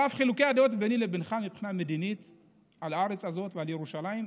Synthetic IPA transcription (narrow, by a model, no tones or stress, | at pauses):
afχilukead̪eo̞t̪benilebenχamipχiname̞d̪init̪ | alaaʁet͡sazo̞t̪vealjeʁuʃalaim